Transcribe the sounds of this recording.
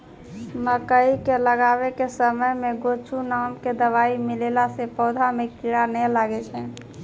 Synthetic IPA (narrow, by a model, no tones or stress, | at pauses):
məkəikeləɡabekesəməjmeɡot͡ʃʰunamked̪əʋaimilelasepɔʊd̪ʱamekiɽanɛlaɡɛt͡ʃʰɛ